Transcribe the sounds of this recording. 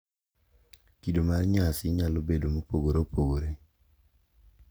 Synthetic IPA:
kidomarɲasɪɲalobedomopoɡoɾopʰoɡoɾe

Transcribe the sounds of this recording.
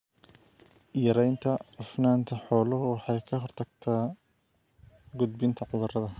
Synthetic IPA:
jɐɾɛjnt̪ʰɐʊfnaːnt̪ʰɐħɔːlɔwɑħɑjkʰɐɦɔrt̪ʰɐɡ̚t̪ʰaː | ɡʊd̪̚bɪnt̪ʰɐʕʊðɐrɐðɐ

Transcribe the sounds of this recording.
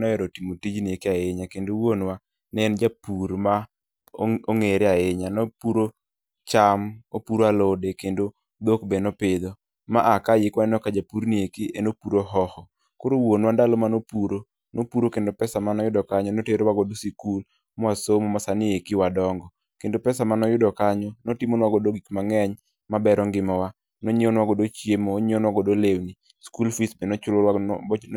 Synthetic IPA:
nɔɛɾɔtimotid͡ʒnɪekiaeɲakendowonwa | nɛnd͡ʒapuɾma | oŋeɾɪaeɲanɔpuɾo | t͡ʃamopuɾoalodekendo | d̪okbenɔpɪd̪o | ma̰ʔakajɪkwaɛnɔkad͡ʒapuɾniekiʔenopuɾoɦɔhɔ | koɾowonwandalɔmanopuɾo | nopuɾokendopɛsamanɔjʊdɔkaɲɔnoteɾwaɡɔdosikul | mɔasomɔmasanɪekiwadɔŋɡɔ | kendopɛsamanɔjʊdɔkaɲɔnotɪmonwaɡodoɡikmaŋɛɲ | mabɛɾɔŋɡɪmɔwa | noɲeonwaɡodot͡ʃjemoːɲeonwaɡɔdolewni | skulfisbenoʊlo

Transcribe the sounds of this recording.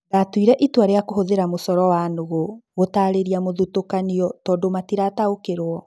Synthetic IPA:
ɡatwiɾɛʔitwaɾeakoɦoðeɾamosɔɾɔwanoɣoɣotaɾeɾiamoðutokaniɔtɔːdomatiɾataokeɾwɔ

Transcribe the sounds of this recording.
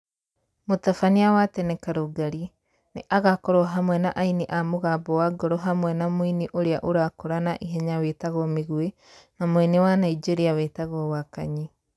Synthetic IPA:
motafaniawatɛnɛkaɾoɡaɾi | neʔaɣakɔɾɔɦamwɛnaʔainiʔamoɣaːbɔwaɡɔɾɔɦamwɛnamoiniʔoɾeaʔoɾaːkoɾanaʔiɦɛɲawetaɣɔmeɣwe | namoinewanaid͡ʒeɾiaweːtaɣɔwaka̰ɲi

